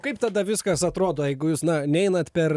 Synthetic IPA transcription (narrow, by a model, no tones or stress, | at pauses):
kɐɪpt̪ɐd̪ɐʋʲɪskɐsɐt̪ɾoːd̪oːjɛɪɡʊjuːsnɐnʲɛɪnɐt̪pʲɛr